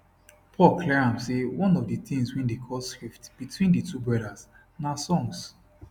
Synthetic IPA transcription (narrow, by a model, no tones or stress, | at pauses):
pʰɔlˠkʰlɛɹãmsewɔ̃nɔvdəθĩŋswĩndekʰɔskɹiftb̥itʰwĩndətʰubɹɔɾaz | nasɔ̃ŋs